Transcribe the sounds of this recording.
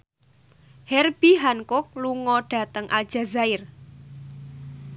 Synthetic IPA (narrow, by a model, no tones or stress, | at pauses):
hɛrb̥iɦankʊk̚luŋɔɖ̥ä̤t̪əŋʔa̰ld̥ʒ̥a̤zaɪr